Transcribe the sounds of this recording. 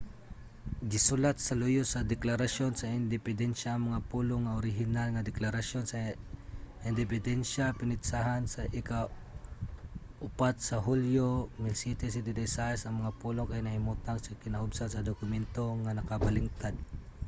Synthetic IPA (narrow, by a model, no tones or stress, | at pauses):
ɡɪsʊlat̪̚sɐlʊjʊsɐd̪ɛklaɾaʃonsɐɪnd̪ɪpɪd̪ɛnʃaːŋmɐŋapuloŋːaʔoɾɪɦɪnalŋad̪ɛklaɾaʃjonsa | ɪnd̪ɪpɪd̪ɛnʃapɪnɪt̪saɦansɐʔɪka | ʔʊpat̪̚sɐɦuljomɪlsit̪ɛsɪd̪ɪd̪ɛsaɛsɐŋmɐŋapulokajnɐhɪmut̪aŋsɐkɪnaʊbsalsɐd̪okʊmɛnt̪oŋanɐkabalɪŋt̪ad̪̚